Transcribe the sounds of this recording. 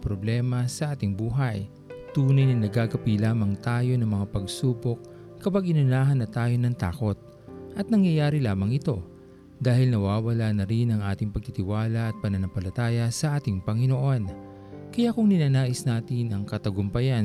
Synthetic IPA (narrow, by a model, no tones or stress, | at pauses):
pɾoblɛːmɐsɐʔaːt̪ɪŋbuːɦɐj | t̪uːnɐjnɐŋnɐɡaɡɐpilaːmɐŋt̪aːjo̞nɐŋmɐŋapɐɡsuːbok̚ | kɐpaɡʔɪnʊnaːɦɐnːɐt̪aːjo̞nɐŋt̪a̰ːko̞t̪̚ | ʔɐt̪̚nɐŋjɐjaːɾilaːmɐŋɪt̪o̞ | d̪aːhɪlnɐwaːwɐlaːnɐɾɪnɐŋʔaːt̪ɪŋpɐɡ̚t̪it̪ɪwaːlɐʔɐt̪̚pɐnɐnɐmpɐlɐt̪aːjɐsɐʔaːt̪ɪŋpɐŋɪnoʔo̞n | kɐjakʊŋnɪnaːnaːʔɪsnaːt̪ɪnɐŋkɐt̪ɐɡʊmpɐjan